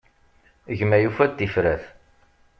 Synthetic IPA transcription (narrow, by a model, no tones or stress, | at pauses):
əʝmæjufæd̪ifɾæθ